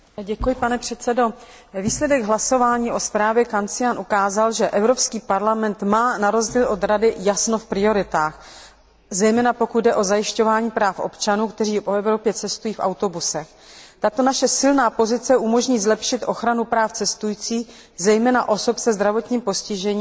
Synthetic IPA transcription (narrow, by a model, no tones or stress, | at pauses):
ɟɛkujɪpanɛpr̥ɛt̪sɛdo̞ | viːslɛdɛɡɦlaso̞vaːɲiːʔo̞spɾaːvjɛkant͡sɪjanʔukaːzalʒɛʔɛvɾo̞pskiːpaɾlamɛnt̪maːnaɾo̞zɟiːlʔo̞d̪ɾadɪjasno̞fpɾɪo̞ɾɪt̪aːx | zɛjmɛːnapo̞kud̪dɛʔo̞zajɪʃco̞vaːɲiːpɾaːfʔo̞̰pt͡ʃanuːkt̪ɛriːpoɛvɾo̞pjɛt͡sɛst̪ujiːfʔa̰wt̪o̞busɛx | t̪at̪o̞naʃɛsɪlnaːpo̞zɪt͡sɛʔumo̞ʒɲiːzlɛpʃɪt̪ʔo̞xɾanupɾaːft͡sɛst̪ujiːt͡siːx | zɛjmɛːna̰ʔo̞so̞psɛzd̪ɾavo̞t̪ɲiːmpo̞scɪʒɛɲiː